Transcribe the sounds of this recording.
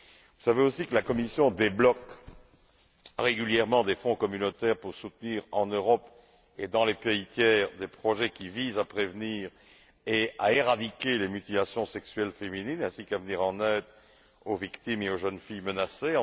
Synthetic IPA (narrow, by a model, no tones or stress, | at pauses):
vusaveosikəlakɔmisjɔ̃d̪eblɔk | ʁeɡʲyljɛʁmɑ̃d̪efɔ̃kɔmynot̪ɛʁpuʁsut̪niːʁɑ̰̃nøʁɔp | ed̪ɑ̃lepeit̪jɛːʁd̪epχɔʒɛkʲivizapχevniːʁ | ea̰eʁad̪ikʲelemyt̪ilasjɔ̃sɛksɥɛlfemininɛ̃sikavəniʁɑ̃nɛːd̪ʁ | ovikt̪imeoʒənfijmənaseɑ̃